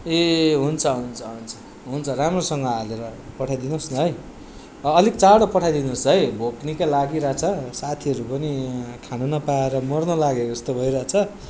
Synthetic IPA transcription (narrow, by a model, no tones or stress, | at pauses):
eɦunt͡sʰʌɦunt͡sʰʌɦunt͡sʰʌ̥ | ɦunt͡sʰʌɾamrosʌŋɡʌaleɾʌpʌʈʰajd̪inosniɦʌjː | likt͡saɽʌpʌʈʰajd̪inosɦʌjbʱoknikalaɡiɾat͡sʰʌsat̪ʰiʌɾupʌnikʰanunʌpaeɾʌmʌrnʌlaɡeɾest̪obʱʌjɾat͡sʰʌ